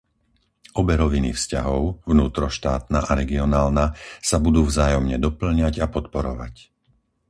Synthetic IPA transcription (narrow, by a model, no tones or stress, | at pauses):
ɔbɛɾɔʋinḭfscaɦɔʊvnuːt̪ɾɔʃt̪aːt̪naʔaɾɛɡiɔnaːlnasabud̪uːvzaːjɔmɲɛd̪ɔpl̩ɲaɟapɔt̪pɔɾɔʋa̰c